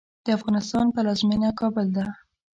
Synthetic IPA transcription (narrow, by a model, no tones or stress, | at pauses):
d̪̥əafɣɑnɪst̪ɑnpəlɑzminakɑbʊld̪a